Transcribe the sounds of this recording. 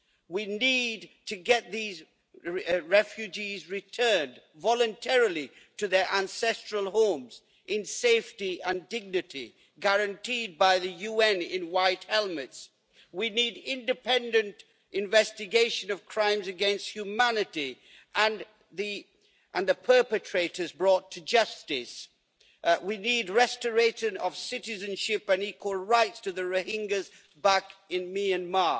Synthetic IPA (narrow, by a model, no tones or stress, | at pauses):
winidtʰɨɡɛt̪̚ðiz | ɹɛfjʉd͡ʒizɹɨtʰɜ̃˞n | vɑlˠɨ̃ntʰɛɹəl̩ˠi | ɾɨðə˞ʔæ̃nsɛstɹ̥əlˠhõʊ̃mz | ʔɨ̃nseɪftiɨ̃ndɪɡ̚nɨɾi | ɡəɹɨ̃ntʰid̚baɪðɨjuɛ̃nɪ̃nwaɪthɛlˠmɨts | winiɾɪ̃ndɨpʰɛ̃ndɨ̃nt | ɨ̃ɱvɛstɨɡeɪʃɨ̃nʌv̥kʰɹ̥ãɪ̃mzɨɡɛ̃nst̚hjʉmænɨɾi | ʔə̃n | ði | ʔɨ̃nðɨpʰɜ˞pɨtʰɹ̥eɪɾəzbɹɔtʰɨd͡ʒʌstɨs | winid̚ɹɛstə˞eɪʃɨ̃nʌv̥sɪɾɨzɨ̃nʃɪpɨ̃nikʰwəl̩ˠɹaɪtstʰɨðɨɹohɪ̃ŋɡɨz | bækɪ̃nmiɨ̃nmɑ